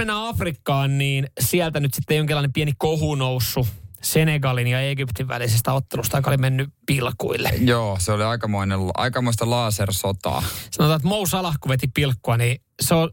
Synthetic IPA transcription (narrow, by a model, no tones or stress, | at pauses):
menːæɑfrikːɑːnniːnsiælt̪ænyt̪sit̪ːejoŋkilːɑinempiænikohunousːuseneɡɑlinjɑeɡypt̪iʋʋæ̰lisest̪æot̪ːelust̪ɑkolimenːypilkṵilːḛjoːseoliɑikɑmoinelɑ̰ikɑmoist̪ɑlɑːsersot̪ɑ̰ːsɑnot̪ɑːet̪mousɑlɑhkuʋet̪ipilkːuɑniː | seol